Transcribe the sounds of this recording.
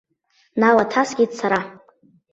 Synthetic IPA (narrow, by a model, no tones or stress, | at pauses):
nalatʰasɡʲidsaɾa